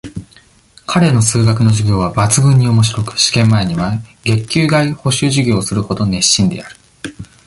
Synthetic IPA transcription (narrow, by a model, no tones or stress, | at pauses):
kʰaɾe̞no̞sɨːɡak̬ɯ̟no̞ʑiɡʲo̞ːβabat͡sɨɡɯ̟̃ɲ̟ːio̞mo̞ɕ̬iɾo̞kɯ̟̥ɕi̥kẽ̞mːae̞ɲ̟iβaɡe̞kʲːɨːɡaiho̞ɕɨːʑiɡʲo̞ːsɨɾɯ̟ho̞d̪o̞ne̞ɕːĩnd̪e̞̰aɾɯ̟̥